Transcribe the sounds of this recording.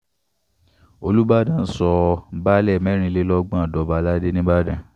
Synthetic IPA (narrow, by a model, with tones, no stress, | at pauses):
o˧lu˦ba˦dã˦˨n̩˦sɔ˧ba˦lɛ˦˨mɛ̃˨˦ɾ̃ĩ˧˦le˦lɔ˦ɡ͡bã˦a˨dɔ˨˦ba˧˦la˦de˦nĩ˦ba˦dã˨